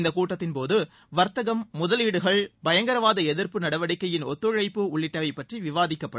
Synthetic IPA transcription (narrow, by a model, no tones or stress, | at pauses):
nd̪ɐkuːʈːɐt̪ːɪnpoːðɯ | ʋɐɾt̪ɐɣɐmːʊðɐliːɽɯɣɐɭbɐjɐŋɡɐɾɐʋaːðɐɛðɪɾpɯnɐɽɐʋɐɽɪkːɐjɪnɔt̪ːɯɻɐɪpːɯʊɭːɪʈːɐʋɐɪpːɐʈriʋɪʋaːðɪkːɐpːɐɽɯ